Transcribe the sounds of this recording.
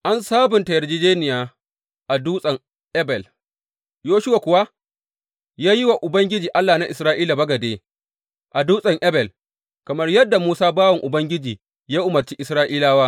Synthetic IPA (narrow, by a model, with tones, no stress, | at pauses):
ʔa˦nsaː˦bʊ˨ntɐ˨jɐ˨rd͡ʒiː˦d͡ʒeː˦nɪ˨jaː˨ | ʔa˨duː˦sʼɐ˨ŋ | ʔɛ˦bɛ˨l | joː˦ʃʊ˦wa˨kʷʊ˨wa˦ | jaː˦ji˦wa˨ʔʊ˨bɐ˦ŋɡʲɪ˦d͡ʒiː˨ʔa˦lːaː˨na˦ʔɪ˨sɾaː˦ʔiː˦la˨bɐ˦ɡɐ˨deː˦ | ʔa˨duː˦sʼɐ˨ŋʔɛ˦bɛ˨l | kɐ˨mɐ˦rjɐ˦dːa˨muː˦saː˦baː˦wɐ˨ŋʔʊ˨bɐ˦ŋɡʲɪ˦d͡ʒiː˨ | jaː˦ʔʊ˨mɐ˨rt͡ʃiː˦ʔɪ˨sɾaː˦ʔiː˦laː˦waː˦